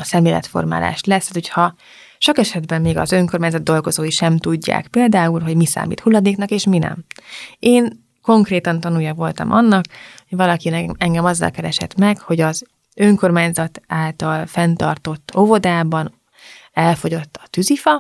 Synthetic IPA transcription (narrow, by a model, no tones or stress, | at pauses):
ɒsɛmleːlɛ̰t̪fo̞̰rma̰ːla̰ːʃlɛst̪ːɛt̪ochɒ | ʃo̞kɛʃɛd̪bɛmːeːɡɒ̰zøŋkormaːɲzɒd̪̚d̪o̞lɡo̞zoːjiʃɛmt̪uɟːa̰ːkpeːld̪aːulɦo̞ɟmisa̰ːmḭːt̪hulːɒd̪eːknɒkeːʃminɛ̰meːn | ko̞ŋkreːt̪ɒnt̪ɒnuːjɒvo̞lt̪ɒ̰mʔɒ̰nːɒkhoɟvɒlɒkinɛɛŋɡɛmɒzːɒ̰lkɛɾɛʃɛ̰t̪mɛkho̞ɟɒz | øŋko̞rmaːɲzɒt̪aːlt̪ɒlfɛnt̪ɒ̰rt̪o̞t̪ːo̞vo̞d̪aːbɒn | ɛlfo̞ɟo̞t̪ːɒ̥t̪yzifɒ